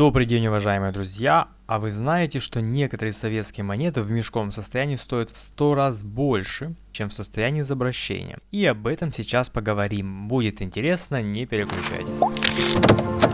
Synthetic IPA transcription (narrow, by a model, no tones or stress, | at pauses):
d̪opɾʲɪdʲenʲɪʊvɐʐajɪmɨjəd̪ɾʊzʲja | ɐvɨznajɪtʲɪʂt̪o̞nʲe̞kət̪əɾɨjəsɐvʲe̞t̪skʲɪjəmɐnʲe̞t̪ɨvmʲɪʂko̞vəmsəst̪ɐjænʲiːst̪o̞jɪt̪st̪o̞ɾazbo̞lʲʂɨt͡ɕemfsəst̪ɐjænʲiːzɐbɾɐɕːḛnʲɪ̰jə̰iɐbɛt̪əmsʲɪt͡ɕaspəɡəvɐɾʲimbudʲɪt̪ɪnʲtʲɪɾʲe̞snənʲepʲɪɾʲɪklʲʉt͡ɕæ̰jtʲɪsʲ